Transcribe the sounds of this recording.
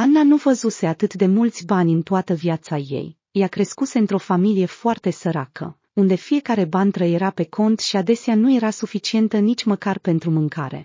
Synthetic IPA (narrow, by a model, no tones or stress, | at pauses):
anːanuvəzuse̞at̪ɨt̪d̪e̞mult̪sʲbanʲɨnt̪oat̪əviat̪saje̞̰j | jakɾe̞skuse̞ɨnt̪ɾo̞familije̞foart̪e̞səɾakʰə̰ | und̪e̞fije̞kaɾe̞banʲt̪ɾəjeɾape̞kʰo̞nt̪ʃiad̪e̞seanuje̞ɾasufit͡ʃie̞nt̪ənit͡ʃʲməkarpe̞nt̪ɾumɨŋkaɾe̞̰